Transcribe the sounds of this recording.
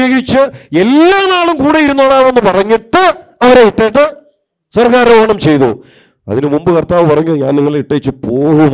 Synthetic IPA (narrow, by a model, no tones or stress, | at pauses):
eɣɐɾit͡ɕːɨe̞lːaːnaːɭumkuːɽejiɾunːoːɭaːʋenːɨpɐrɐɲːiʈːɨɐʋɐɾeiʈːejʈːɨ | sɐrkaːɾɐʋoɐɳɐmt͡ɕe̞jt̪ṵ | ɐ̰ðinɨmumbɨkɐrt̪aːʋɨpɐrɐɲːuɲa̰ːniŋːɐɭeiʈːejit͡ɕːɨpoːɣu